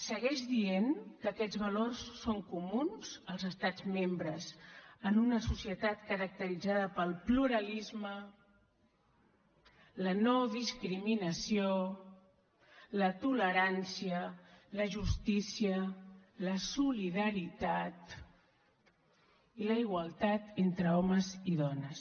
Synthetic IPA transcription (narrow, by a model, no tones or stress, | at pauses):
səɣɛʃðienkəːkɛd͡zβəlorsːoŋkumunz̥əlˠzəst̪ad͡zmembɾəzənunəsusiət̪at̪̚kəɾək̚t̪əɾid͡zaðəpəlˠpluɾəlizmə | lənoðiskɾiminəsio | lət̪uləɾansiələʒust̪isiələsuliðəɾit̪at̪ | iləiɣwəlˠt̪at̪ent̪ɾəɔməziðɔnəs